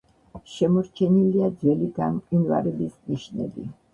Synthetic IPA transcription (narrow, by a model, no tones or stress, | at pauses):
ʃɛmɔɾt͡ʃʰɛniliad̪zwɛliɡamkʼinva̰ɾɛbisniʃnɛ̰bḭ